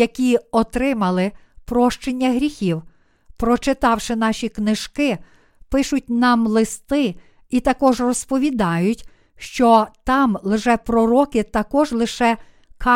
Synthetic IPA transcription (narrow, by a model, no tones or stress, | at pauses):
ɐkʲiɔt̪ɾɪmɐlˠɪpɾɔʃt͡ʃenʲːɐɦɾʲixʲiw | pɾɔt͡ʃɪt̪ɑwʃɪn̪ɑʃʲiknɪʒ̥kɪ | pɪʃʊtʲnɑmlˠɪst̪ɪ | it̪ɐkɔʒrɔspɔʋʲid̪ɑjʊtʲ | ʃt͡ʃɔt̪ɑmlˠɪʒɛpɾɔɾɔkɪt̪ɐkɔʒlˠɪʃɛ | kʰɑ